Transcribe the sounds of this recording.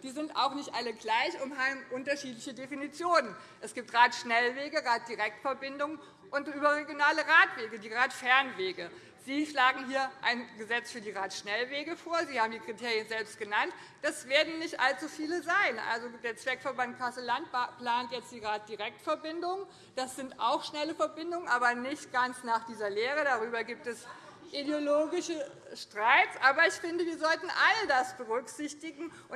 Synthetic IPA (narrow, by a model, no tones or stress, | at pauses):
d̥iːzɪntʔa̰ʊxnɪçtʔaləɡlaɪçʊmhaːbm̩ʔʊntɐʃiːtlɪçədefinit͡sjoːnən | ʔɛsɡ̥iːp̚tʁaːtʃnɛlveːɡəʁaːt̚d̥iʁɛk̚tfɛɐbɪndʊŋ | ʔʊntyːbɐʁeɡjonaːləʁaːtv̥eːɡədiːʁaːtfɛɐnveːɡə | z̥iːʃlaːɡŋ̩ɦiːɐʔaɪnɡəzɛt͡sfyːɐdiːʁaːtʃnɛlveːɡəfoːɐziːhaːbmdiːkʁ̥itʰeːʁjənzɛlpst̚ɡ̥ənant | d̥asv̥eːɐdn̩nɪçtʔalt͡sufiːləzaɪnʔa̰lzodeːɐt͡sv̥ɛkfɛɐbant̚kʰasəlant̚pl̥aːntjɛt͡std̥iːʁaːt̚d̥iʁɛk̚tfɛɐbɪndʊŋə | d̥asz̥ɪntʔaʊxʃnɛləfɛɐbɪndʊŋənʔaːbɐnɪçtɡ̥ant͡snaːχd̥iːzɐleːʁədaʁyːbɐɡiːp̚tɛs | ʔideoloːɡɪʃə | ʃtʁ̥aɪt͡sʔaːbɐɪçfɪndəviːɐzɔltn̩ʔalədasb̥əʁʏkz̥ɪçtɪɡŋ̩ʔʊ